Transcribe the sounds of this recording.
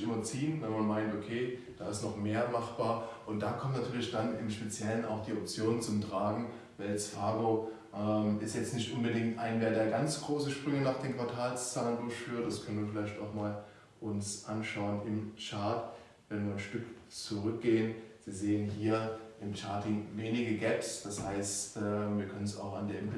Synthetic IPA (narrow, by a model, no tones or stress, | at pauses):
ʔymɐt͡siːənvɛnmanmaɪntʔokʰeːd̥aːɪstnɔχmeːɐmaχb̥aːɐʔʊnt̚d̥aːkʰɔmtnatʰyːɐlɪçd̥anɪmʃpet͡sjɛləna̰ʊxd̥iːɔp̚t͡sjoːnt͡sʊmtʁ̥aːɡŋ̩ | valt͡sfaːɡoː | ʔɛmʔɪstjɛt͡stnɪçtʔʊnbədɪŋktʔaɪnveːɐdeːɐɡant͡sɡ̥ʁoːsəʃpʁ̥ʏŋənaːχd̥eːmkv̥aɐtʰaːlst͡saːləndʊɐçfyːɐt̚d̥askʰœnən̩viɐfɪlaɪçtaʊxmaːl | ʔʊnsʔanʃaʊənʔɪmt͡ʃaɐt | v̥ɛnviːɐnʃtʏkt͡suʁ̞ʏk̚ɡ̥eːənz̥iːzeːənɦiːɐʔɪmt͡ʃaɐtɪŋveːnɪɡəɡɛpsd̥ashaɪstɛviːɐkʰœnənsa̰ʊxa̰ndeːɐʔɛmpʰ